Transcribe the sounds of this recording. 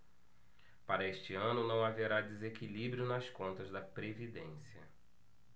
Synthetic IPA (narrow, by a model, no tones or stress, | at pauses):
paɾɐeʃt͡ʃɪɐ̃nʊnɐ̃w̃aveɾad̪ezekilibɾjʊnɐskõnt̪ɐzd̪ɐpɾevid̪ẽsiɐ